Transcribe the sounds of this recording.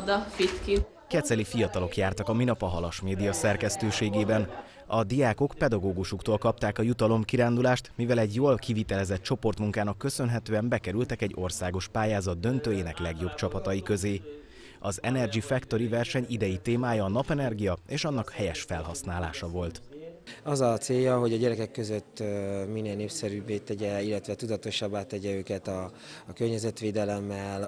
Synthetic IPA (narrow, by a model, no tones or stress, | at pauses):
d̪ɒfit̪ki | kɛt̪sɛlifijɒt̪ɒlo̞kjaːrt̪ɒkɒminɒpɒɦɒlɒʃmeːd̪ijɒsɛrkɛst̪øːʃeːɡeːbɛn | ɒd̪ijaːko̞kpɛd̪ɒɡoːɡuʃukt̪oːlkɒp̚t̪aːkɒjut̪ɒlo̞mkiɾaːnd̪ulaːʃt̪mivɛlɛɟjoːlkivit̪ɛlɛzɛt̪̚t͡ʃo̞po̞rt̪muŋkaːnɒkːø̞sø̞nɦɛt̪øːɛmbɛkɛɾylt̪ɛkɛɟːo̞rsaːɡo̞ʃpaːjaːzɒd̪̚d̪ø̞nt̪øːjeːnɛklɛɡjo̞bt͡ʃɒpɒt̪ɒjikø̞zeː | ɒzɛnɛrɡifɛkt̪o̞ɾivɛrʃɛɲid̪ɛjit̪eːmaːjɒːnɒpɛnɛrɡijɒeːʃɒnːɒkhɛjɛʃfɛlɦɒsnaːla̰ːʃɒvo̞lt̪ɒzɒt̪seːjːɒɦo̞ɟɒɟɛɾɛkɛkːøzøt̪ːminːeːlneːpsɛɾybːeːt̪ɛɟɛilːɛt̪ʋɛt̪ud̪ɒt̪o̞ʃɒbːaːt̪ːɛɟɛøːkɛt̪ɒː | kørɲɛzɛt̪ʋeːd̪ɛlɛmːɛl